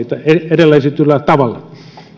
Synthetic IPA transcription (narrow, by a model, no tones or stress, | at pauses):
it̪ɑeerelːɑiset̪ylːæt̪ɑʋɑlːɑ